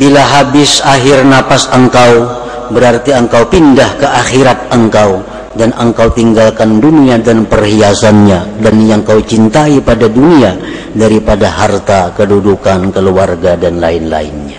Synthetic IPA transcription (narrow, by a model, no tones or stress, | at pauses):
bilaɦabɪsaɦɪrnapasəŋkaw | bəɾart̪iəŋkawpindahkəʔaxiɾat̪̚əŋkaw | danəŋkawt̪iŋɡalkanduniadanpərhiasanɲadanjaŋkawt͡ʃint̪aipadadunia | daɾipadaɦart̪akədudukankəluarɡadanlaɪnla̰ɪ̰nɲa